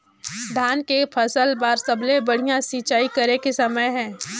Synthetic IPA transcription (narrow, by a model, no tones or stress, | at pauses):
d̪ʱaːnkepʰɐsəlbaːɾsɐblebɐɽ̤ijãsiːt͡ʃaːikɐɾekesɐməjɦɛ̃ː